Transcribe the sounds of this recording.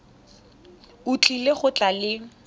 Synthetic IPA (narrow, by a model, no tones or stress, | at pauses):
ʊt͡ɬʼileχʊt͡ɬʼalɪ